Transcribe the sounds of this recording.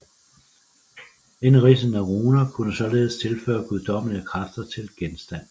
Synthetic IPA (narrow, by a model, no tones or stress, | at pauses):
e̝nʁiːsən̩æʁuːnɐkʰunəsɒ̽le̝ːð̞ˠəst͡sʰe̝lfø̰ːɐɡ̥uðˠd̥ɒ̽m̰ənəkʰʁafd̥ɐt͡sʰe̝lɡ̥ensd̥æn̰